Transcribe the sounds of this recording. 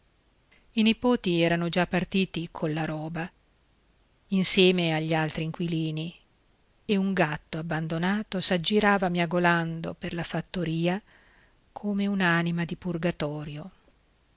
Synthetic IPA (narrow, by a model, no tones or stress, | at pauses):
inipoːt̪iɛːɾanod͡ʒapːart̪iːt̪ikʰonlːaɾɔːba | insjɛːmeaʎːialt̪ɾiːŋkwiliːni | euŋɡat̪ːoabːand̪onaːt̪osad͡ʒːiɾaːvamjaɡoland̪o̰perlafat̪ːoɾiːa | kʰoːmeunaːnimad̪ipurɡat̪ɔːɾjo